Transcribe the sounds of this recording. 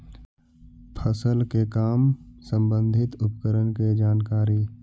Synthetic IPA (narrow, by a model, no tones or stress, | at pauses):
pʰəsəlkekaːmsə̃mbə̃nd̪ʱɪt̪ʊpkəɾənked͡ʒaːnkaːɾiː